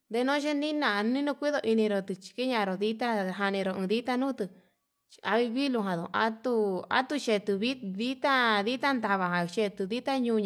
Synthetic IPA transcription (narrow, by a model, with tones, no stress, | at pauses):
d̪e˧nõ˦ʃe˦nĩ˦nã˨˧nĩ˦nũ˧kʷi˦ðo˧ʔi˧nĩ˧ɾo˧t̪ɨ˧t͡ʃi̥˧ki˦ɲã˧˨ɾo˨ði˦t̪a˦ɦa˧nĩ˧ɾo˧ɨ̃˧ði˦t̪a˦nũː˦t̪ɨ˧ | t͡ʃa˧βi˧βi˦lu˧ɦã˨ðõ̰˨˧˨a̰˧˦t̪u˧a̰˦t̪u˧t͡ʃe˧t̪u˧βi˦ði˦t̪a˦ði˦t̪a˦nd̪a˧βa˨ɦã˨ʃe˧t̪u˧ði˦t̪a˦ɲũː˧ɲ